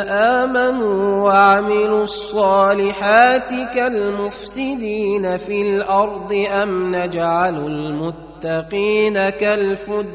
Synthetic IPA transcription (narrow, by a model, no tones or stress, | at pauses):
ʔaːmanuːwaʕmɪlʊɑsˤːɑːlɪħaːt̪ɪkalmʊfsɪd̪iːnafilʔɑɾˤd̪ˤɨʔamnad͡ʒʕalalmʊt̪ːɑqiːnakalfʊd̪